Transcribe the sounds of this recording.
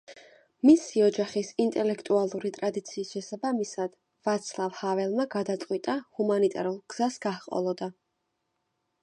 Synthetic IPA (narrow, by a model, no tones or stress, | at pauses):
misiɔd͡ʒaχisint̪ʼɛlɛkʰt̪ʼualˠuɾit̪ʼɾad̪it̪sʰiːsʃɛsabamisad̪̥ | vat̪sʰlˠavhavɛlˠmaɡad̪at̪sʼqʼwit̪ʼahumanit̪ʼa̰ɾulˠɡ̥z̥asɡ̥ahqʼɔ̰lˠɔd̪a